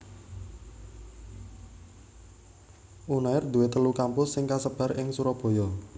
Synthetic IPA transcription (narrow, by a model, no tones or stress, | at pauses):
ʔunaɪrd̪̥ṳwet̪əlukampʊsːɪŋkasəb̥a̤ɾɪŋsuɾɔb̥ɔ̤jɔ